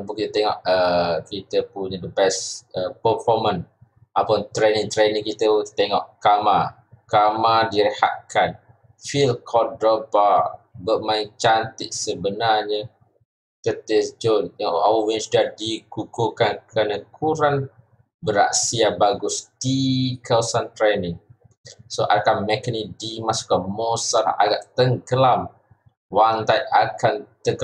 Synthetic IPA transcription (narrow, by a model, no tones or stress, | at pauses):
pukit̪ət̪eŋɔ̰ʔəkit̪əpuɲə̃dəbɛsəpəfɔmə̃n | ʔapɔnt̪ɾeniŋt̪ɾenĩŋkit̪əut̪t̪eŋɔ̰ʔkama | kamadiɾəha̰t̪̚kʰan | filkʰɔdobabəmaɪŋt͡ʃant̪ɪʔsəbənarɲə | t̪ət̪esd͡ʒɔnawɛnsdadikukukankɾanakʰuɾan | bəɾa̰ʔsiabaɡʊsd̥ikawəsant̪ɾenɪŋ | soʔa̰dkamɛkənidimasu̥kamosala̰ɡa̰ʔt̪əŋɡəlam | waŋt̪ajakant̪əɡ